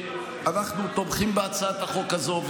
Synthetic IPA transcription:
anaχnut̪obχimbeat͡saat̪aχo̞kazov

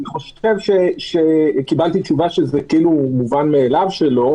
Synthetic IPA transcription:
niχo̞ʃ | evʃeʃekibalt̪it͡ʃuvaʃezekiiːlumuvanme̞ːlavʃe̞lo̞

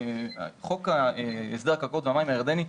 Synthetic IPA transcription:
χo̞kaeesd̪akakot̪veamaimajeʁd̪eni

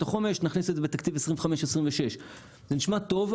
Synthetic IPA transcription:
taχo̞meʃniχnisezebet̪akt̪ivesʁimveχameʃesʁimveʃe̞ʃ | zeniʃmat̪o̞v

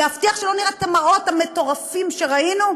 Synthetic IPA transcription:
aft̪iaχʃelo̞niʁeet̪amaʁo̞t̪hame̞t̪o̞ʁafimʃe̞ʁainu

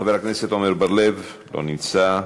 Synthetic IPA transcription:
aveɾakneset̪omeɾbaɾlev | lo̰nit͡sa

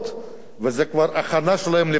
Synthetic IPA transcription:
t̪ | vezɛkvaɾaχanaʃelahemle

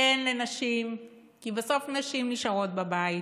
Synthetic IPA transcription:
enlenaʃim | kibaso̞fnaʃimniʃaʁo̞t̪̚babai

